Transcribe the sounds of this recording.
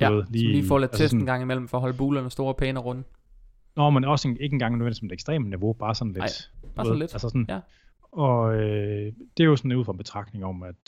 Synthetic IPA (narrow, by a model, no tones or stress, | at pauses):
d̥uʋeð̰ˠliːifɒ̰ːlæt͡sʰesdn̩ɡ̥ɑ̈ŋ̰imel̰m̩fɒːɦɒ̽l̰b̥uːlɐnsd̥o̝ːɐpʰeːnɐʁɔ̽nə | nɒmenɒ̽see̝ɡ̥əenŋɡ̥ɑ̈ŋnøʋendismed̥eɡsd̥ʁɛ̰ːmniʋo̝b̥ɑ̈ːsɒ̽nled̥ɑen̩le̥ælsəsɔn | ɒ̽ød̥e̝æjosɒnuð̰ˠfʁɑ̈b̥e̝t͡sʰʁɑ̈ɡ̥ne̝ŋɒ̽mæd̥